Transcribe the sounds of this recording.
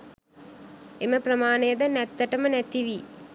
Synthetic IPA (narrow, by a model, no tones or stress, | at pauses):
eməprəmaːnəjəd̪ənæt̪ːəʈəmənæt̪iʋi